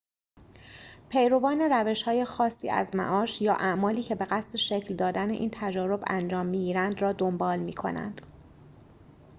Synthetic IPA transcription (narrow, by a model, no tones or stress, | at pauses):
pʰe̞jɾo̞vɒːne̞ɾæve̞ʃhɒːje̞xɒːsːḭːʔæ̰zmæ̰ʔɒːʃjɒːʔæʔmɒːliːcʰebe̞ɣæst̪e̞ʃecʰld̪ɒːd̪æneʔiːnt̪ʰæd͡ʒɒːɾo̞bæ̰nd͡ʒɒːmːiːɟiːɾænd̪rɒːd̪ombɒːlmiːkʰo̞̰næ̰nd̪̥